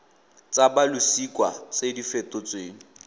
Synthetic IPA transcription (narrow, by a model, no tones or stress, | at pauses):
t͡sʼabalusikʼwa̰t͡sʼedifɛtʼʊt͡sʼweːŋ̩